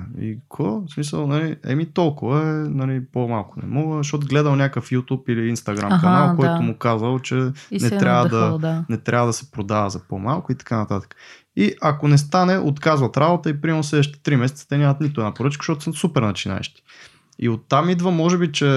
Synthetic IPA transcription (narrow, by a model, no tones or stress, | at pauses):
ḭkʰosmisə̰lˠnɐliɛ̰mit̪ɔlˠkʊvəɛnɐlipomalˠkʊnɛ̰mɔɡəzɐʃt̪ɔt̪ʊɡlɛd̪əlˠnʲakəfjut̪upiliinst̪ɐɡɾa̰mkɐnnalˠkɔjt̪ʊmʊkazəlˠt͡ʃɛnɛt̪ɾjavəd̪ɐd̪nɛt̪ɾʲavəd̪ɐsɛ̥pɾod̪avɐzɐpomalˠkʊit̪ɐ̥kanɐt̪at̪ə̥kə̥ | iʔɐkonɛst̪anɛʔot̪kazvɐt̪ɾabot̪əipɾimɛɾnoslɛd̪əʃt̪ɛ̥t̪ɾimɛsɛt̪sə̥t̪ɛnʲamɐt̪nit̪ʊɛnapoɾət͡ʃkə̥ʃɔt̪səsupɛɾnɐt͡ʃina̰ɛ̰ʃt̪i̥ | ḭot̪ːamid̪vəmɔʒɛbit͡ʃɛ